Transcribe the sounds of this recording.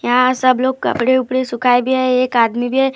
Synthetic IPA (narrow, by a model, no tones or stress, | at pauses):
jãsəbloːɡkɐ̰pɽeʊpɽesʊkʰaebʱiɦɛeːkaːd̪mibʱiɦɛ